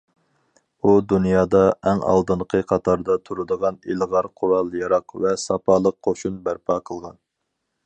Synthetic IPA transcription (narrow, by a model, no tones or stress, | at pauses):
ud̪unjɑːd̪ɑɛŋɑ̰lˠd̪ɨnqʰəqʰɑt̪ʰɑɾd̪ɑt̪ʰuɾɨd̪əʁɑnelʁɑɾqʰʊɾɑlˠjɑɾɑqvɛsɑpʰɑlˠəq̚ːʰoʃunbæɾpʰɑqʰəlˠʁɑn